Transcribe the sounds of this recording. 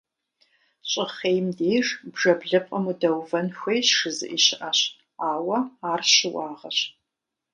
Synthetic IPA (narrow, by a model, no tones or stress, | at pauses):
ɕʼɪχeːjmdeːjʐbʐɐbɮɨpʼɐmudɐwvɐnxʷejɕʂɨzɨ̰ʔiːʃɪʔɐɕ | aːwɐaːrɕɪwɑːʁɐɕ